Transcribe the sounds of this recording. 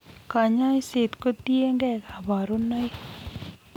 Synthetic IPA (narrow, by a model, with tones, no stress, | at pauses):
ka˨ɲa˦jse˨t̪ko˦t̪i˦e˦ŋɡɛ˦ka˨ba˨ɾu˦nɔ˦j